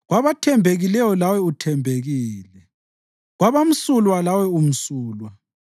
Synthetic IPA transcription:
ɣwaβatʰɛmbʱeɣilɛwɔlawɛutʰɛmbʱeɣiːlɛ | ɣwaβam̩sulwalawɛum̩suːlwa

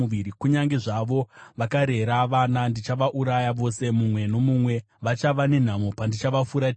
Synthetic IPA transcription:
uʋiɾikuɲaŋɡeʐaʋo̞ʋakaɾe̞ɾaʋanandit͡ʃaʋaʔuɾajaʋo̞se̞mumwe̞no̞mumwe̞ | ʋat͡ʃaʋane̞n̤amopandit͡ʃaʋafuɾa

